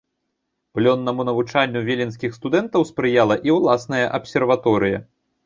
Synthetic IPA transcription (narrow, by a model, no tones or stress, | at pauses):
plʲɔnːɐmunɐvut͡ʂanʲːuvʲelʲinsʲkʲixst̪ud̪ɛnt̪ɐwspɾɨjalˠɐʔiwlˠasnɐjɐʔɐpsʲɛrvat̪ɔɾɨjɐ̰